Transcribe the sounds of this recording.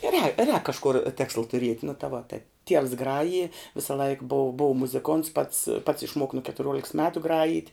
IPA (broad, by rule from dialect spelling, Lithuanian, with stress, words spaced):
rʲɛː rʲɛːk kɐʃˈkʊr ˈtʲeːkslˠɐ tʊˈrʲiɛtʲ nʊ tɐ ʋoː tɐɪ tʲiɛws ˈɡrɑːjɪ ʋʲɪsɐˈlˠɐɪk boːw boːw mʊzʲɪˈkoːnts pɐts pɐts ɪʃˈmuɔk nʊ kʲɛtʊˈrʲuɔlʲɪks ˈmʲæːtʊ ˈɡrɑːjiːtʲ